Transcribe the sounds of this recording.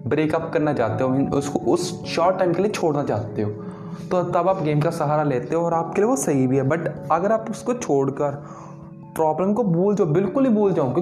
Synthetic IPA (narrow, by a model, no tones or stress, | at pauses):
bɾeːkɐpkɐɾnat͡ʃaːt̪eɦõnʊskoʔʊs | ʃɔːʈːaːɪmkeliet͡ʃʰoːɽnat͡ʃaːt̪eɦõː | t̪ot̪ɐbaːpɡeːmkasɐɦaːɾaleːt̪eɦẽɔːɾaːp̚kelieʋosɐɦibʱiɦɛːbɐʈɐɡəɾaːpʊskot͡ʃʰoːɽkəɾ | pɾɔːbləmkobuːld͡ʒaːbɪlkʊlɦibuːld͡ʒaːoɡi